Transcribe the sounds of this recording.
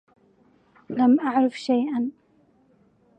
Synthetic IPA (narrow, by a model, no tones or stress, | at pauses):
lamʔaʕɾˤafʃajʔan